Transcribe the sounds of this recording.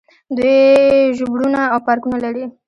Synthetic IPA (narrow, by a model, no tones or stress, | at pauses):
d̪wujʒʊbɽunaːwpaɾkunalaɾi